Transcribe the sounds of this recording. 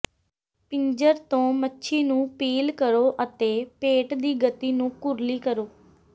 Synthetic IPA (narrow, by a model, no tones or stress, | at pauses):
pɪɲd͡ʒəɾt̪õːmətːʃʰiːnũːpiːlkəɾoːʔət̪eːpeːʈd̪iːɡət̪iːnũːkʊɾliːkəɾoː